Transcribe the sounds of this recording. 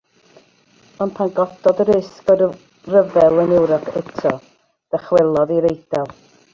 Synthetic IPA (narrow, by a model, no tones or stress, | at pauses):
ɔnpʰanɡɔtɔdəɾɪskɔd | rəvɛlˠənɪwɾɔkʰɛtʰɔ | ð̥ɛχwɛlˠɔðiɾejdɛlˠ